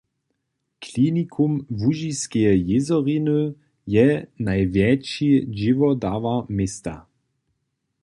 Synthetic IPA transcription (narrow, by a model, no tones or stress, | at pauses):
kʰlinikʰumvuʒiskɛjɪzɔʁinə | jɛnajvjɛt͡ʃid͡ʒɪvɔdavamest̪a